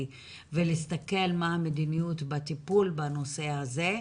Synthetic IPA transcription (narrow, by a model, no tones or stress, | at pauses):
velistake̞lmaamed̪inijut̪bat̪ipulbano̞se̞haze̞